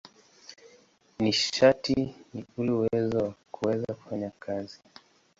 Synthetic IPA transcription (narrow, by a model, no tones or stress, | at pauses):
niʃatiniulɛuwɛzɔwakʰuwɛzaku̥faɲakʰazi